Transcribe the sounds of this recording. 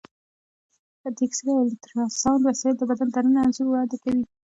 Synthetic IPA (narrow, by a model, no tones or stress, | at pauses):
at̪iksɾalɪt̪ɾɑnsɑnwasɑjɪld̪əbad̪ant̪anənaːnzuɾwɑd̪akawi